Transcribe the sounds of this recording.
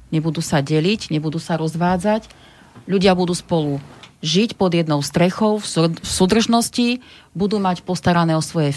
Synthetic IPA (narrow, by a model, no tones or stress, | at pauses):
ɲɛbud̪uːsaɟɛliɟɲɛbud̪uːsaɾɔzʋaːd͡zac | ʎuɟɪabud̪uːspɔluʒicpɔd̪jɛd̪nɔʊst̪ɾɛxɔʊffsuːd̪r̩ʒnɔscibud̪uːmacpɔst̪aɾanɛːɔsʋɔjɛ